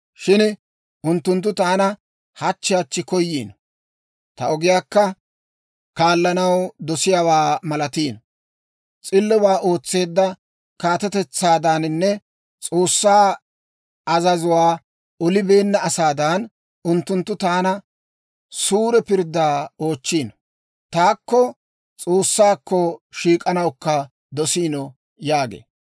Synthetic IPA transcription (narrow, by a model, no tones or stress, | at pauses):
ʃɪn | ʊnt̪ːʊnt̪̬ːʊt̪aːnɐ | hɐt͡ʃːɪjaːt͡ʃːɪkɔjːiːn | t̪ɐ̰ɔɡɪjaːkːɐ | kaːlːɐnɐwd̪ɔsɪjawaːmɐlɐt̪iːn | t͡sʼɪlːɛwaːʔo̞ːt͡sːe̞ːd̪ːɐ | kaːt̪ɛt̪ɛt͡sːaːd̪ɐnnːɛ | t͡sʼo̞ːsːaː | ɐzɐzʊwaː | ɔlɪbe̞ːnːɐɐsaːd̪ɐn | ʊnt̪ːʊnt̪ːʊt̪aːnɐ | suːɾɛpɪɾd̪ːaːo̞ːt͡ʃːiːn | t̪aːkːɔ | t͡sʼoːsːaːkːɔʃiːkʼɐnɐwkːɐ | d̪ɔsiːnɔ | jaːɡḛː